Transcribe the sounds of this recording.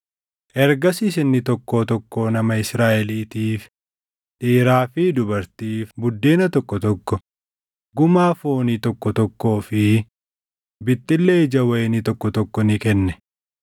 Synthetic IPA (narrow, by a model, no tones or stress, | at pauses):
ʔɛɾɡɐsis̬ɪnːɪt̪ɔkːo̞ːt̪ɔkːo̞ːnɐmɐɪsɾaːʔɛliːt̪iːf | t̪ʼiːɾaːfid̪ʊbɐɾt̪iːfbʊd̪ːeːnɐt̪ɔkːɔt̪ɔkːɔ | ɡʊmaːfo̞ːniːt̪ɔkːɔt̪ɔkːo̞ːfɪ | bɪt̪ʼːɪlːeːd͡ʒɐwɐjɛnɪt̪ɔkːɔt̪ɔkːɔnɪkɛnːɛ